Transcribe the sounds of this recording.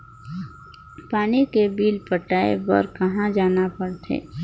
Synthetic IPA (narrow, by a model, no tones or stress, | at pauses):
paːnikebiːlpəʈaːḛbɐ̰ɾkɐɦãd͡ʒaːnapɐɽt̪ʰḛː